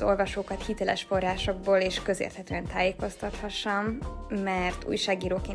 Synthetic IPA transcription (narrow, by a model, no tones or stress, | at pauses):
o̞lvɒʃoːkɒt̪hit̪ɛlɛ̰ʃfo̞rːaːʃo̞ɡ̚boːleːʃkø̞zḛːrt̪hɛt̪øːɛnt̪aːjeːko̞st̪ɒt̪hɒʃːɒmːɛrt̪ṵːjʃaːɡiːɾoːkeː